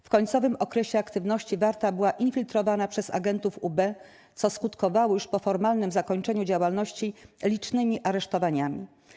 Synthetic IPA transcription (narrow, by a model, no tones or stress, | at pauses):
fkɔɲt̪sɔvɘmɔkɾɛɕɛakt̪ɘvnɔɕt͡ɕivaɾt̪abɘwaʔinfʲilt̪ɾɔvanapʂɛza̰ɡɛnt̪ufubɛ | t̪sɔskut̪kɔvawɔjuʂpɔfɔɾmalnɘmzakɔɲt͡ʂɛɲud͡ʑawalnɔɕt͡ɕilʲit͡ʂnɘmʲiʔaɾɛʂt̪ɔvaɲamʲḭ